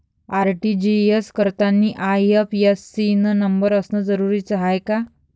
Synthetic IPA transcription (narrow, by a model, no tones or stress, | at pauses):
aɾʈid͡ʑieskəɾt̪anːiːʔajəfjesːinənəmbəɾəsnəd͡zəɾuɾiːt͡sɦajka